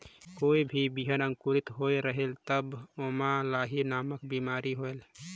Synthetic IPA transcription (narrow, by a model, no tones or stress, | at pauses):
koːibʱibiɦənəŋkuɾit̪ɦoeɾəɦelt̪əbomalaɦinaːməkbimaɾiɦoel